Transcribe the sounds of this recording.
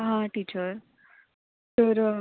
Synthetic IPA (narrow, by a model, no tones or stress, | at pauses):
ɦãʈiːt͡ɕəɾ | t̪əɾ